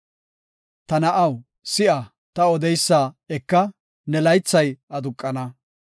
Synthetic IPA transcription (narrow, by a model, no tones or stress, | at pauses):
t̪ɐnɐʔɐw | sɪʔɐ | t̪ɐɔd̪ɛjsːaː | ɛkːɐ | nɛlɐjt͡sːɐjɐd̪ʊkʼːɐnɐ